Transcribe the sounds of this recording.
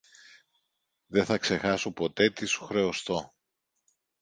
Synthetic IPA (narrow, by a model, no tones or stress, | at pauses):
ðe̞θɐkse̞xɐsopo̞t̪e̞t̪isu̥xɾe̞ost̪o̞